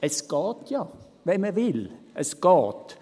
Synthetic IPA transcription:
ɛskɑːt̪jɑː | ʋɛmɛʋɪlʔɛskɑːt̪

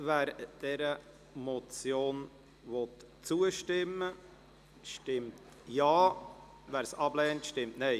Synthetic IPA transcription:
væːɾd̥ɛɾə | mɔt͡sjoːn | vɔt | t͡suəʃtɪmə | ʃtɪmtt | jɑː | væːɾsɑblɛːntʃtɪmtnɛɪ

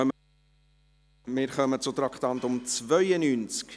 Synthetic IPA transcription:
œm | mɪːɾχœmət͡sʊt̪rɑktɑntʊmt͡svœʏənynt͡sk

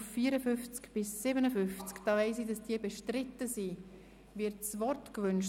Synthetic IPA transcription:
fːiːəɾəfʏnft͡skb̥ɪsːɪbənəfʏnft͡skd̥ɑːvɛɪsidɑsd̥iəbɛʃtɾɪtːəsi | vɪɾtsvɔrtkvʏnʃ

